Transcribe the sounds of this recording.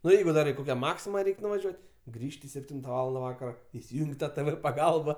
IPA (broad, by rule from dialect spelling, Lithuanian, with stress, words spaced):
nʊ ˈjɛɪɡʊ ˈdɐr ɪ ˈkoːkʲɛ ˈmɑːksʲɪmɐ ˈrʲɛɪkʲ nʊʋɐˈʒʲuɔtʲ ˈɡrʲiːʃʲtʲɪ sʲɛpʲˈtʲɪntɐ ˈʋɑːlˠɐndɐ ˈʋɑːkɐroː ɪsʲɪˈjuːŋʲkʲ ˈtɑː tɘ ʋɘ pɐˈɡɐlˠbɐ